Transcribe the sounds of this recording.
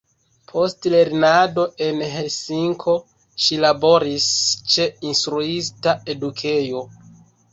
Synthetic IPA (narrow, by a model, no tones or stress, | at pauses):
pʰo̞stle̞ɾnado̞ʔe̞nɦelsiŋkʰo̞ | ʃilabo̞ɾist͡ʃe̞instɾuis̬tae̞dukʰe̞jo̞